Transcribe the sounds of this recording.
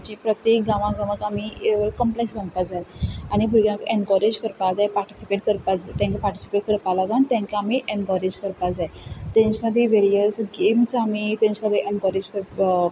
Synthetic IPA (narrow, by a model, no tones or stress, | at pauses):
t͡ɕĩpɾət̪jek̚ɡãʋãɡãʋəkamieʋəɭkəmpleksbə̃nd̪pad͡zajañibʱuɾɡjãkeɳkɔɾed͡ʑkəɾpad͡zajpaɾʈi̥sipeʈkəɾpad͡zat̪ɛ̃ŋkapaɾʈi̥si̥peʈ̚kəɾpalaɡant̪ɛ̃ŋkaamiʔẽɳkəɾed͡ʑkəɾpad͡zaet̪ɛ̃ɲt͡ɕməd̪ʱːjeʋeɾiəsɡemsamit̪ɛ̃ɲt͡ɕməd̪ʱːeʔenkəɾed͡ʑkəɾ